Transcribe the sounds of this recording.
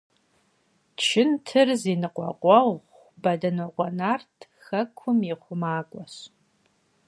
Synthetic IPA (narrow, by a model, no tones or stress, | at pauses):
t͡ʃʰɪntʰɨrziːnɨqʷʼɔ̰qʷʼɔʁʁʷ | bɐdɐnoqʷʼɔnaːrtʰxɐkʷʰʊmiχʷʊmaːkʷʼɔɕ